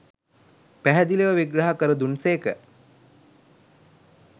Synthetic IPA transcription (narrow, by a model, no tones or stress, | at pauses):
pæɦæd̪ileʋəʋiɡɾaɦakəɾəd̪unseːkə